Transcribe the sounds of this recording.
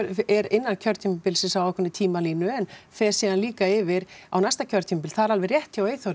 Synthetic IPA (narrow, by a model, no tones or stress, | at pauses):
ɛɾɪnːancʰœɾt̪ʰimpɪlsɪsawɛhkʰʏnːɪt̪ʰiːmaliːnʏɛnθɛ̥siðanliːkaɪvɪɾa̰wnajst̪acʰœɾt̪ʰimpɪlθaðɛɾalvɪrjɛht̪ʰjaweːjθowɾ